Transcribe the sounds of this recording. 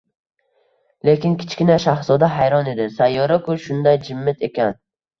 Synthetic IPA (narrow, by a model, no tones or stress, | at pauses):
le̞kʲɪnkʲʰɪ̥t͡ʃkʲɪnaʃahsɒd̪aɦajɾɒne̞d̪ɪsajːɒɾakʰʊʃʊnd̪ajd͡ʒɪmːɪt̪ʰe̞kʲan